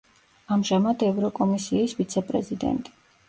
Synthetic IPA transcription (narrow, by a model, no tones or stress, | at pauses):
amʒamad̪ɛvɾɔkʼɔmisiisvit̪sʰɛpʼɾɛ̰zid̪ɛ̰nt̪ʼi̥